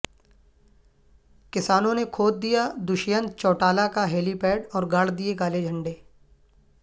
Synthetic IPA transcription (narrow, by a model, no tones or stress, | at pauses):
kɪsaːnõnekʰoːd̪̚d̪ijad̪ʊʃjənt͡ʃɔːʈaːlakaɦeːlipeːɖɔːɾɡaːɽ̤d̪ieɡaːled͡ʒʱɐ̃ɳɖeː